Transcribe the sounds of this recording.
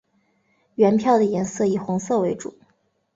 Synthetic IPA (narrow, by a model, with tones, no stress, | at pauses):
ɥɛ˧˥npʰjɑ˥˩ʊd̪ə˩jɛ˧˥nsɤ˥˩i˨˩xʊ˧˥ŋsɤ˥˩we˧˥ɪʈ͡ʂṵ˨˩˦